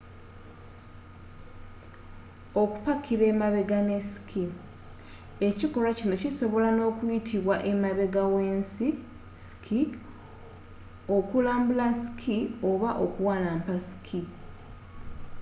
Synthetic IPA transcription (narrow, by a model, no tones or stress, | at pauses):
o̞ku̥pakʰiɾe̞ːmaβe̞ɡane̞si̥kʰi | e̞cikolacino̞ciso̞βo̞lano̞ːkwitʰiβwaʔe̞maβe̞ɡawe̞ːnsi | si̥kʰi | o̞kulaːmbulasi̥kʰio̞βaʔokuwaːlaːmpasi̥kʰi